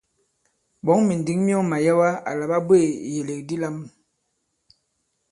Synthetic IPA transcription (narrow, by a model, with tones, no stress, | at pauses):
bɔ˨˦ŋmi˨n˨di˨˦ŋmi˦ɔ˦ma˨ja˦wa˦a̰˨la˨ba˦be˦˨je˨le˨k̚di˦la˦m